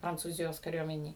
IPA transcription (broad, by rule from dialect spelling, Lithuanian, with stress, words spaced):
prɐnt͡suːˈzʲɪjoːs kɐˈrʲuɔmʲɛnʲeːj